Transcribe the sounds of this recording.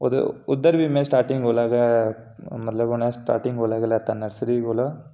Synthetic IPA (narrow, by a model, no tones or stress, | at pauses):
ɔ̰ɾɯ̰ʊd̪ːɐɾʋimeːsʈaːɾʈɪŋɡoːlaːɣɐ | mɐt̪lɐonesʈa̰ːɾʈɪŋɡoːlaːɣɐlɐt̪ɐnːɐɾsɪɾiɡoːloː